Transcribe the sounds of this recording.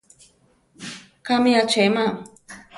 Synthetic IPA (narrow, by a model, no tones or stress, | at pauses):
kamijat͡ʃema